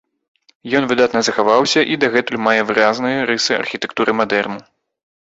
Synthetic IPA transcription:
jɔnvɨd̪at̪nɐzɐxavawsʲɐʔid̪ɐɣɛt̪ulʲmajɛvɨɾaznɨjɐɾɨsɨɐ̰rxʲit̪ɛkt̪uɾɨmad̪ɛrmu

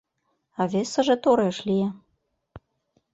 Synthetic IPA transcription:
ɑβʲesə̆ʒĕt̪oɾeʃlie

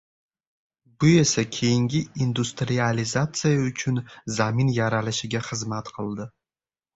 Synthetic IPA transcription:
bʊjɛsɐkʲʰejnɡʲɪind̪ust̪ʰʼrializat͡sʰʼɨjaut͡ʃʰʊnzaːminjaɾalɐʃɐɡʲɐχəzmat̪ʰqəld̪ɨ

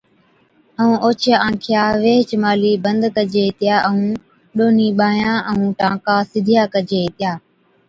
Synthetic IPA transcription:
əũːʔoːt͡ʃʰjaːãːkʰɪjaːʋeːɦt͡ʃmaːliːbə̃nd̪kəd͡ʒeːt̪ɪjaːʔəũː | ɗoːniːɓaːjãːʔəũːʈãːkaːsɪd̪ʱijaːkəd͡ʒeːt̪ɪjaː

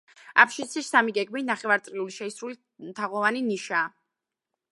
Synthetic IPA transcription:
a̰pʰʃisʰissamiɡɛɡminaχɛvaɾt̪ʼɾiuliʃɛisɾuli | mt̪ʰaʁɔvaniniʃaː

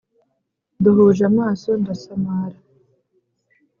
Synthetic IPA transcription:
duɦuʒamaːsondasamaɾa

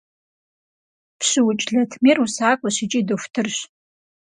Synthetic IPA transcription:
pʰɕɪwʊt͡ʃʼɮɐtʰmirusaːkʷʼɔɕɪt͡ʃʼidɨfʷtʰɨrɕ

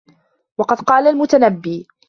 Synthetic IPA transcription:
wɑqɑd̪qɑːlalmʊt̪anabːiː

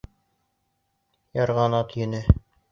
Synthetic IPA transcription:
jɑɾʁɑnɑt̪jɘ̆nɘ

